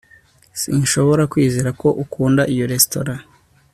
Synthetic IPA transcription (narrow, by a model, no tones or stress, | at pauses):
sinʃo̞βo̞ɾakwiːziɾako̞ʔukuːndaʔijo̞ɾe̞stoɾa